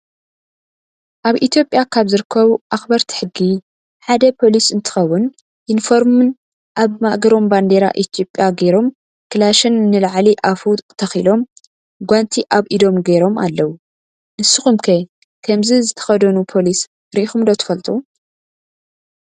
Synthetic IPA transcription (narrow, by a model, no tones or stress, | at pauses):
ʔaβʔit̪ʰjopʼːjakʰaβzɨɾɨkʰːɐβuʔaxbɐɾt̪ʰi̥ħɨɡːi | ħad̪ɐpʰo̞lisɨnt̪ʰɨ̥xɐwːʊn | ʔinfo̞ɾmɨn | ʔaβmaʔɡɐɾo̞mband̪eɾa̰ʔit̪ʰijo̞pʼjaɡeɾo̞m | kʰɨlaʃɨnːɨlaʕliʔafut̪ʰɐxilo̞m | ɡʷant̪ʰiʔaβʔid̪o̞mɡejɾo̞ma̰lːɐwu | ʔɨsɨxumkʰɐ | kʰɐmzizɨt̪ʰɐ̥xɐd̪ɐnupʰo̞lis | ɾiʔixumd̪ot̪ʰɨ̥fɐlt̪ʼu